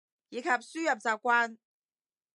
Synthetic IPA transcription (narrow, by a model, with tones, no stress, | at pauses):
jiː˨˧kʰɐ˨p̚syː˥jɐ˨p̚t͡saː˨p̚kʷwaː˥n